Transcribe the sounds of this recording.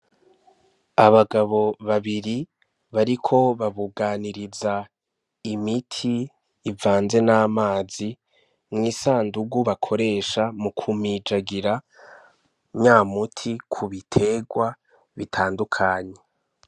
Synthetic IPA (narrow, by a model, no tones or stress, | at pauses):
aβaɡaβo̞βaβiɾi | βaɾikʰo̞βaβuɡaːniɾiza | imitʰiː | vaːnze̞naːmaːzi | mŋiːsaːnduɡuβakʰo̞ɾe̞ːʃamukʰumid͡ʒaɡiɾa | ɲaːmutʰikʰuβitʰe̞ɡwa | βitʰaːndukʰaːɲe̞